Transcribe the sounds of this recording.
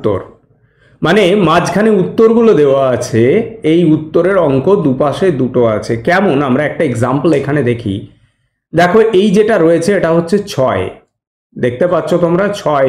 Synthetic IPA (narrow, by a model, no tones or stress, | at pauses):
o̰ɾ | manemad͡ʑkʰaneut̪ːoɾɡulod̪eoaat͡ɕʰeejut̪ːoɾeɾɔŋkod̪upaʃed̪uʈoat͡ɕʰekɛmonamɾaɛk̚ʈaeɡzamplekʰaned̪ekʰḭ | d̪ɛkʰoʔejd͡ʑeʈaɾojet͡ɕʰeeʈaɦotːɕʰet͡ɕʰɔe | d̪ek̚t̪epatːɕʰot̪omɾat͡ɕʰɔe